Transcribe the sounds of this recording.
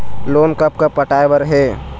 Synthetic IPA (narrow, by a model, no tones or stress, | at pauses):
loːnkəp̚kappəʈaːjʋəɾɦɛː